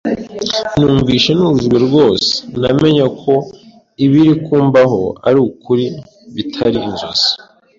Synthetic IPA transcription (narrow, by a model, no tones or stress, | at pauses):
nuːɱviːʃe̞nuɾuʒɡwe̞ɾɡo̞ːse̥name̞ɲakʰo̞ | iβiɾikuːmbaɦo̞̰a̰ɾukuɾi | βitʰaɾiːnzoz̥i̥